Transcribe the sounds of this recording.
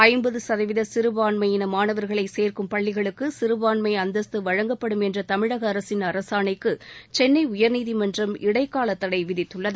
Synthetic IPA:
ɐɪmbɐðɯsɐðɐʋɪðɐsɪɾɯʋaːɳmɐjɪnɐmaːnɐʋɐɾɣɐɭɐɪseːrkɯmpɐɭːɪɣɐɭɯkːɯsɪɾɯʋaːnmɐɪɐnd̪ɐst̪ɯʋɐɻɐŋɡɐpːɐɽɯmɛndrɐt̪ɐmɪɻɐɣɐːɾɐsɪnɐɾɐsaːnɐɪkːɯt͡ʃɛnːɐɪʊjɐɾniːðimɐndrɐmɪɽɐɪkːaːlɐt̪ːɐɽɐɪʋɪðɪt̪ːɯɭːɐðɯ

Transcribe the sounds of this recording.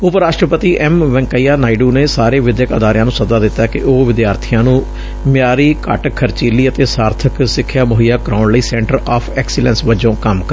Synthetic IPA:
ʊpɾaːʃʈɾəpət̪iːʔɛmʋɛ̃ŋkəiːjaːnaːiɖuːneːsaːɾeːʋɪd̪jəkə̰d̪aːɾɪjãːnũːsəd̪aːd̪ɪt̪ːaːkɪʔoːʋɪd̪jaːɾt̪ʰijãːnũː | mjaːɾiːkə̰ʈkʰːəɾt͡ʃiːliːət̪eːsaːɾt̪ʰəksɪkʰːjaːmoɦijaːkɾaːʊnləiːsɛ̃ːɳʈəɾaːpʰɛːksɪlɛ̃nsʋəd͡ʒõːkəmkə

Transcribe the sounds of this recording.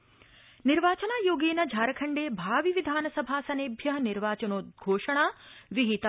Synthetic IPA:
niɾʋaːt͡ʃɐnaːjoːɡeːnɐd͡ʒʱaːɾɐkʰɐɳɖeːbʱaːʋiʋid̪ʱaːnɐsɐbʱaːsɐneːbʱjɐɦɐniɾʋaːt͡ʃɐnoːt̪̚ɡʱoːʂɐɳaːʋiɦit̪

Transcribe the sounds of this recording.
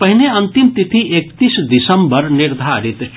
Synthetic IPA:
pɐɦineɐ̃nt̪imt̪it̪ʰiʔekt̪isd̪isəmbəɾniɾd̪ʱaːɾit̪

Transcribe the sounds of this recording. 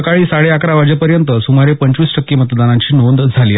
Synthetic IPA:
kaɭiːsaɭeakɾaʋad͡ʑepəɾjənt̪əsumaɾepəɲt͡ɕʋiːsʈʰəkːemət̪d̪anaɲt͡ɕiːnond̪d͡zʱaliː

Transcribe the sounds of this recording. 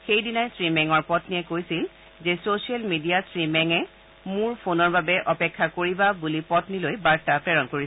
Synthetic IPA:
xejdinajsɹimɛŋɔɹpɔtniɛkojsil | zesosiɛlmidiasɹimɛŋɛ | mʊɹpʰonɔɹbabɛʔɔpɛkʰːakoɹibabulipɔtnilojbaɹtapɛɹɔnkoɹi

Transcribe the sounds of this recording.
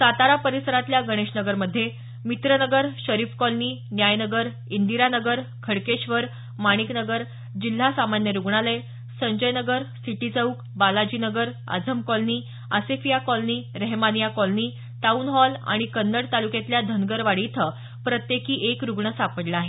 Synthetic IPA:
sat̪aɾapəɾisəɾat̪ljaɡəɽ̃eɕnəɡəɾməd̪ʱːje | mit̪ɾənəɡəɾɕəɾiːfkɔlniːnjajnəɡəɾ | ind̪iɾanəɡəɾkʰəɽkeɕʋəɾ | maɽ̃iknəɡəɾ | d͡ʑil̤ːasamanjəɾuɡɳalej | səɲd͡ʑəjnəɡəɾsiʈit͡səuk | balad͡ʑiːnəɡəɾ | ə̰d͡zʱəmkɔlniː | a̰sefijakɔlniːɾeɦmanijakɔlniː | t̪aunɦɔla̰ɽ̃ikənːəɽt̪alukjet̪ljad̪ʱənɡəɾʋaɽit̪ʰə | pɾət̪jekiːʔekɾuɡɳəsapəɽlaaːɦe

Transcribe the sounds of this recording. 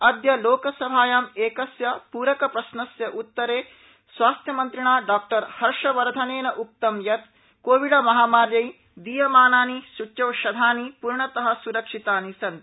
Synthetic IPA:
ɐd̪jɐloːkɐsɐbʱaːjaːmeːkɐsjɐpuːɾɐkɐpɾɐʃnɐsjɐʔut̪ːɐɾeː | sʋaːst̪ʰjɐmɐnt̪ɾiɳaːɖaːk̚ʈɐɾhɐɾʂɐʋɐɾd̪ʱɐneːnɐʔuk̚t̪ɐmjɐt̪ | koːʋiɽɐmɐɦaːmaːɾjɐj | d̪iːjɐmaːnaːniʃut͡ʃɐːʃɐd̪ʱaːnipuɾɳɐt̪ɐɦɐ̆suɾɐkʂit̪aːnisɐnt̪

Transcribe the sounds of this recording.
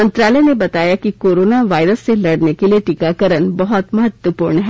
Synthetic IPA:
ənt̪ɾaləjnebɐt̪ajakikoɾonaʋajɾəst͡seləɽnjekeleʈikakəɾəɳbəɦɔt̪məɦət̪ʋəpuːɾɳɦɛ

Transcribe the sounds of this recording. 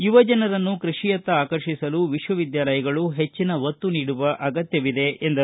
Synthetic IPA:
iʋɐd͡ʒɐnɐɾɐnːukɾɨʂijɐt̪ːɐaːkɐɾʃisɐluʋiʂʋɐʋid̪jaːlɐjɐɡɐɭuɦe̞t͡ʃːinɐʋɐt̪ːuniːɽuʋɐʔɐɡɐt̪jɐʋid̪eʔend̪ɐ

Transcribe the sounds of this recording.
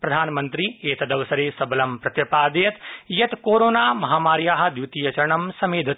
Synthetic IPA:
pɾɐd̪ʱaːnmɐnt̪ɾieːt̪ɐd̪ɐʋsɐɾeːsɐblɐmpɾɐt̪jɐpaːd̪jɐt̪jɐt̪koːɾoːnaːmɐɦaːmaːɾjaːɦɐ̆d̪jut̪ijɐt͡ʃɐɾɳɐmsɐmeːd̪ʱɪt̪

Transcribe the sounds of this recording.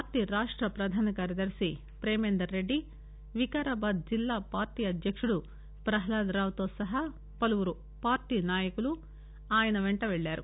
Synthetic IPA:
paːɾʈiːɾaːʂʈɾɐpɾɐd̪ʱaːnɐkaːɾjɐd̪ɐɾsi | pɾeːmeːnd̪ɐɾːeɖːi | ʋikaːɾaːbaːd̪̚d͡ʒilːaːpaːɾʈiːɐd̪ʱjɐkʂuɽu | pɾɐɦɐlaːd̪ɾaːʋt̪o̞ːsɐɦɐ | pɐlɐʋuɾu | paːɾʈiːnaːjɐkulu | aːjɐnɐʋeɳʈɐʋeɭːaːɾu

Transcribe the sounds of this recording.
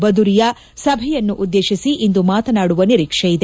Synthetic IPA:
bɐd̪uɾijɐ | sɐbʱɛjɐnːuʔud̪ːeːʃisiʔind̪umaːt̪ɐnaːɽuʋɐniɾikʂɛjid̪e

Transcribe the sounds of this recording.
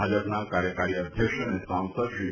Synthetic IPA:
ad͡ʑəpnaʋkaɾjəkaɾiəd̪ʱjəkʂənesãw̃səd̪ɕi

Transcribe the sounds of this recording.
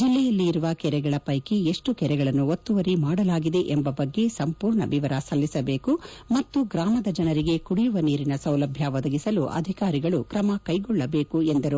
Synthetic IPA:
d͡ʒilːɛjɐlːiːɾuʋɐkɛɾɛɡɐɭɐpɐjkeeʂʈukɛɾɛɡɐɭɐnːuot̪ːuʋɐɾimaːɽɐlaːɡid̪e̞ʔembɐbɐɡːe̞sɐmpuːɾɳɐʋiʋɐɾɐsɐlːisɐbe̞ːkumɐt̪ːuɡɾaːmɐd̪ɐd͡ʒɐnɐɾiɡe̞kuɽijuʋɐniːɾinɐsɐwlɐbʱjɐʋɔd̪ɐɡisɐluʔɐ̰d̪ʱikaːɾiɡɐɭukɾɐmɐkɐjɡɔɭːɐbe̞ːkuend̪ɐɾu

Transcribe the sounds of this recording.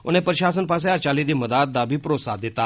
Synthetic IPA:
o̰ñẽpəɾɕas̬ənpas̬jaɾt͡ɕalid̪iːməd̪at̪̚d̪abʱiːpɾosad̪et̪a

